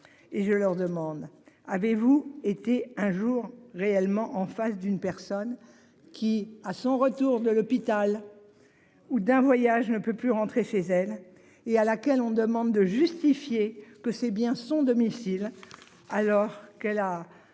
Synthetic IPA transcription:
eʒəlœʁd̪əmɑ̃d̪avevuet̪eɛ̃ʒuʁːeɛlmɑ̃ʔɑ̃fasd̪ynpɛʁsɔn | kʲiasɔ̃ʁət̪uʁd̪əlɔpit̪al | ud̪ɛ̃vwajaʒnəpøplyʁɑ̃t̪χeʃezɛl | ealakʲɛlɔ̃d̪əmɑ̃d̪ːəʒyst̪ifjekəsɛbjɛ̃sɔ̃d̪ɔmisil | alɔʁkɛla

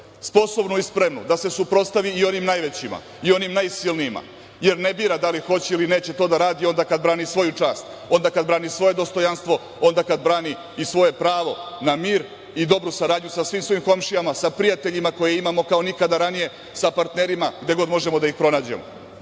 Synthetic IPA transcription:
spo̞so̞bnoispɾe̞mnṵd̪ase̞supɾo̞t̪st̪aʋiːo̞nimnajʋe̞t͡ɕima̰ | io̞nimnajsilniima̰ | je̞ɾnebiːɾad̪alixo̞t͡ɕeiline̞ːt͡ɕe̞t̪o̞d̪aɾaːd̪io̞nd̪akad̪bɾaːnisʋo̞jut͡ʂaːst̪ | o̞nd̪akad̪bɾaːnisʋo̞je̞d̪o̞st̪o̞janst̪ʋo̞ | o̞nd̪akad̪bɾaːniː | sʋo̞je̞pɾaːʋo̞namiːɾ | id̪o̞bɾusaɾaːd̪ɲusasʋiːmsʋo̞imko̞mʃijamasapɾijat̪e̞ʎimako̞jeimamo̞kao̞nikad̪aɾanije̞ | sapaɾt̪ne̞ɾimaɡd̪e̞ɡo̞d̪mo̞ʒe̞mod̪aixpɾo̞naːd͡ʑḛmo̰

